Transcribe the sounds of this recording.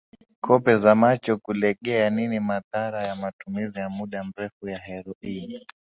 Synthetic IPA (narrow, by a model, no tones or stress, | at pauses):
kʰɔpɛzamat͡ʃɔkulɛɠɛaninimaðaɾajamatumizijamuɗam̩ɾɛfujaɦɛɾɔin